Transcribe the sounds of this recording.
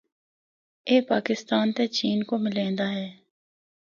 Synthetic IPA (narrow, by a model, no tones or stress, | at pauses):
eːpaːkɪst̪aːnt̪et͡ʃiːnkomɪlẽːnd̪aːɦɛː